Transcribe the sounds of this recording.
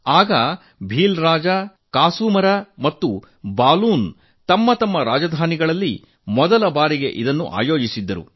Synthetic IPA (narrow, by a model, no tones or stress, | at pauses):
aːɡɐ | bʱiːlɾaːd͡ʒɐ | kaːsuːmɐɾɐmɐt̪ːu | baːluːn | t̪ɐmːɐt̪ɐmːɐɾaːd͡ʒɐd̪ʱaːniɡɐɭɐlːi | mɔd̪ɐlɐbaːɾiɡe̞̰ʔid̪ɐnːṵʔa̰ːjoːd͡ʒisid̪ːɐɾṵ